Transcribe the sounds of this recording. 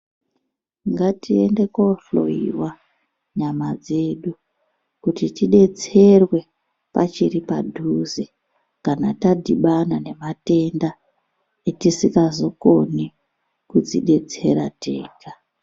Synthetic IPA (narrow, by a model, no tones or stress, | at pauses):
ŋɡatʰie̞nde̞koɬo̞̰ḭrwa | ɲamad͡ze̞ɗu | kutitiɗe̞t͡se̞rwe̞ | pat͡ʃiripa̰dʱuze | kanatadʱiɓanane̞mate̞nda | etisikazo̞ko̞ni | kud͡zḭɗe̞t͡se̞ɾa̰teːka